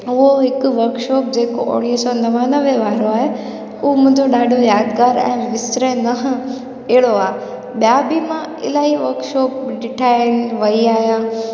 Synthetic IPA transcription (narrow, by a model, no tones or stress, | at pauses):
ʊɦoɦɪkʊʋɐɾkʃɔːp̚d͡ʑeːkoʔo̰ːɽiət͡ɕõnɐʋaːnəʋeʋaːɾoaːɦe | ʊɦomʊ̃ɦɪ̃ɲd͡ʑoɗaːɖʱojaːd̪ɡaːɾɛ̰̃ːʋɪsɾenɐɦ | ɛɦɪɽoaːɦe | ɓijabimã | ɪ̰laːɦiʋɐɾkʃɔːp̚ɖɪʈʰaːɪnɪ̆ʋɐiaːɦijã